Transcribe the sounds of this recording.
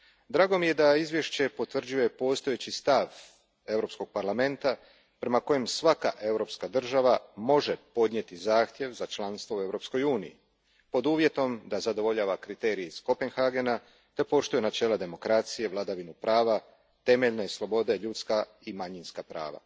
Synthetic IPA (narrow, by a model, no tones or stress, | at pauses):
d̪ɾaːɡo̞mije̞d̪aizʋje̞ʃt͡ɕe̞po̞t̪ʋr̩d͡ʑuje̞po̞ːst̪o̞jet͡ɕist̪aʋ | e̞wɾo̞psko̞ɡ̥̚paɾlame̞nt̪a | pɾe̞mako̞jemsʋaka̰ʔe̞wɾo̞pskad̪r̩ʒaʋamo̞ʒe̞po̞d̪ɲe̞t̪izaːxt̪je̞ʋzat͡ʃlˠanst̪ʋo̞ue̞vɾo̞ːpsko̞juːnḭḭ | po̞d̪uːʋje̞t̪o̞md̪azad̪o̞ʋo̞ʎaːʋakɾit̪e̞ːɾieisko̞pe̞nxaɡe̞na | t̪e̞po̞ʃt̪ujenat͡ʃe̞ːlˠad̪e̞mo̞kɾat̪sije̞ʋlˠad̪aʋinupɾaːʋa | t̪e̞me̞ʎnaislˠo̞bo̞d̪eʎuːt̪ska | imaɲinskapɾa̰ːʋa̰